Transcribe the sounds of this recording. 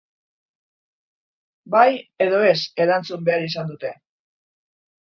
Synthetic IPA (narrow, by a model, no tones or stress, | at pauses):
baje̞ðo̞e̞se̞ɾant͡sumbe̞aɾisand̪ut̪e̞